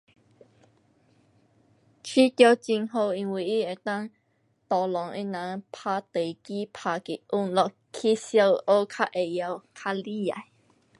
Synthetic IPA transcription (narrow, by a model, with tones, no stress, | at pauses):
t͡ɕʰi˦˥t̪jɔ˧t͡ɕi˧ŋɦo˧i˧ŋwi˧˩i˦e˨˩t̪a˦˧ŋ | t̪ɔ˨˩lɔ˨˦ŋʔḭ˧nã˨˦ŋpʰaː˧t̪e˨˩˨ki˦pʰaː˧˩ki˨ʔu˧˩ŋlɔ˧ʔ | kʰi˦sja˧ʔo˦kʰa˦˧ʔe˨ja˧wkʰa˧li˦ja̰˨j